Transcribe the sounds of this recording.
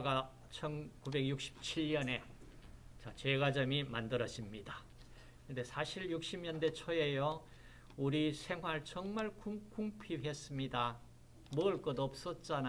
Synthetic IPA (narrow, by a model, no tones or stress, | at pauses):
ɡa | t͡ɕʰʌnkube̞ɡjuk̚ɕ͈ʰi̥p̚t͡ɕʰiɭɲʌne̞ | t͡ɕat͡ɕe̞ɡad͡ʑʌmimandɯɾʌd͡ʑimɲida | kɯnde̞sʰaɕʰiɭjuk̚ɕ͈imɲʌnde̞t͡ɕʰʌe̞jo | uɾisʰe̞ŋɦwaɭt͡ɕʌŋmaɭkuŋkuŋpʰihe̞s͈ɯmɲida | mʌɯɭk͈ʌdʌp̚s͈ʌt̚t͡ɕ͈ana